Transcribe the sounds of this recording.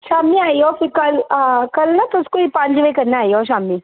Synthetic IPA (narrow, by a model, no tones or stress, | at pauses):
ʃaːmiaːiofɪkɐlkɐlnɐt̪oskoipãːɲd͡ʒʋekɐɾnaaːɦioʃ̬aːmiː